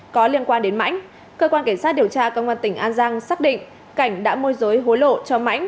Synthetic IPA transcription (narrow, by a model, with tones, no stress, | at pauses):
kɔ˨˦li˧ənkwaː˧nɗe˨˦nma̰˧˥jŋ̟ | kəː˧kwaː˧nke˧˩ŋ̟saː˦˥t̚ɗi˨˩əwt͡ɕaː˧kə˧wŋ͡mʔə˧nt̪ï˧˩ŋ̟ʔaː˧nzaː˧ŋsaː˦˥k̚ɗḭ̈˧˨ŋ̟ | ka˧˩jŋ̟ɗa̰ː˧˥mu˧əjzoː˨˦jɦo˨˦jlo̰˧˨t͡ɕɔ˧ma̰˧˥jŋ̟